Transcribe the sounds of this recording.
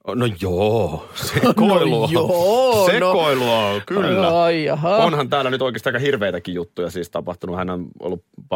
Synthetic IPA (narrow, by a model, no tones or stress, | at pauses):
nojoː | sekoiluɑ | sekoiluɑkylːæionhɑnt̪æːlːænyt̪oikest̪ːɑɑikɑhirʋeˑit̪ækijjut̪ːujɑsiːst̪ɑpɑht̪unuɑhænæno̰lːuppɑ